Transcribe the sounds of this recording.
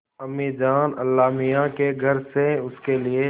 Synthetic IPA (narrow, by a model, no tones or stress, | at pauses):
əmːiːd͡ʒaːnɐ̰lːaːmɪjãkeɡʱɐɾseʊskelɪe